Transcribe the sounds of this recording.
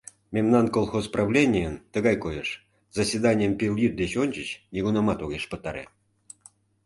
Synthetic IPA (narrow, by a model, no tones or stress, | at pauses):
mʲemnɑnkolˠxosprɑvlʲenʲijənt̪əɣɑjkojeʃ | z̥ɑsʲvʲed̪ɑnʲijəmpʲilʲjit̪̚d̪et͡ɕonʲt͡ɕət͡ɕnʲiɣunɑmɑt̪oɣeʃpət̪ɑɾḛ